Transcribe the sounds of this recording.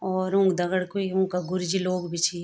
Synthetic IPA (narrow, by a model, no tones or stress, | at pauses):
ɔːɾʊ̃ŋɡd̪ɐɡəɽkoiũŋkaɡʊɾd͡ʒiloːɡbʱit͡ʃʰi